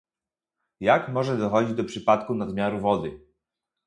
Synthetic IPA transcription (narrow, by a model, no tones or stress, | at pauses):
jakmɔʐɛd̪ɔxɔd͡ʑid͡ʑd̪ɔpʂɘpat̪kunad̪mʲjaɾuvɔd̪ɘ